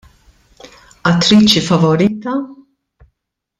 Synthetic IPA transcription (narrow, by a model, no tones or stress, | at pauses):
ɐt̪ːɾiːt͡ʃifɐvɔɾiːt̪ɐ